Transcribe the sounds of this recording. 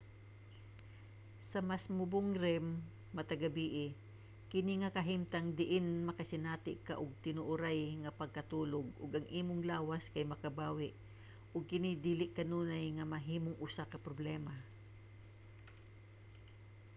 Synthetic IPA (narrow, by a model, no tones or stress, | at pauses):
sɐmasmʊbʊŋɾɛmː | ɐt̪ɐɡabiːʔɪ | kɪniŋɐkɐɦimt̪aŋd̪ɪʔɪnmɐkɐsɪnaːt̪ɪʔka̰ʔʊɡ̚t̪ɪnʊʔʊɾajŋɐpɐɡ̚kɐt̪uːlʊɡ̚ʊɡʔɐŋʔiːmʊŋlaːwaskajmɐkɐbaːwɪʔ | ʔʊɡ̚kɪnɪd̪iːlɪʔkɐnuːnajŋɐmɐɦiːmʊŋʔʊsakɐpɾoblɛma